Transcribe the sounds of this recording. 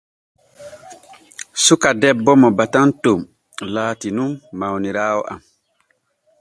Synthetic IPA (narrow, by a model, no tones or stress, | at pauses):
sukadɛbːɔmɔbatantom | laːtinumːawniɾaːwɔʔa̰m